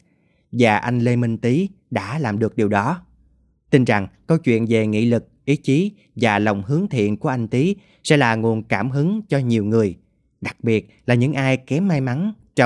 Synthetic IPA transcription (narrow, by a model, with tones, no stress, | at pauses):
vaː˨˩ʔa˧jŋ̟le˧mi˧ŋt̪i˨˦ɗa̰ː˧˥laː˨˩mɗɨ˨˩ək̚ɗi˨˩əwɗɔ˨˦ | t̪i˧nza˨˩ŋkə˧wt͡ɕwḭ˧˨ənve˨˩ŋḭ˧˥lɨ˨˩k̚ʔi˨˦t͡ɕi˨˦ | vaː˨˩lə˨˩wŋ͡mɦɨ˨˦əŋt̪ʰḭ˧˨ənku˧˩əʔa˧jŋ̟t̪i˨˦ | sɛ̰˧˥laː˨˩ŋu˨˩ənkaː˧˩mɦɨ˨˦ŋt͡ɕɔ˧ɲi˨˩əwŋɨ˨˩əj | ɗa˨˩k̚ɓi˨˩ət̚laː˨˩ɲɨ̰˧˥ŋʔaː˧jkɛ˨˦mːaː˧jma˨˦nt͡ɕɔ˧